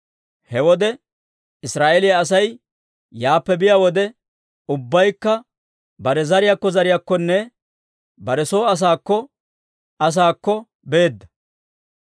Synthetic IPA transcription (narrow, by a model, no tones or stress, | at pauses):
hɛwɔd̪ɛ | ɪsɾaːʔɛlɪjaɐs̬ɐj | jaːpːɛbɪjawɔd̪ɛ | ʊbːɐjkːɐ | bɐɾɛzɐɾɪjakːɔzɐɾɪjakːɔnːɛ | bɐɾɛsoːɐs̬aːkːɔ | ɐs̬aːkːɔ | be̞ːd̪ːɐ